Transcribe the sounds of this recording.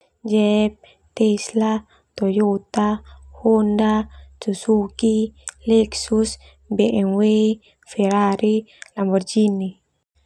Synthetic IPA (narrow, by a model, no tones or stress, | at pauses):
d͡ʒɛp̚ | t̪ɛsla | t̪ɔjot̪ahondasusukilɛksus | bɛʔɛŋwe | fɛɾaɾilambɔrd͡ʒini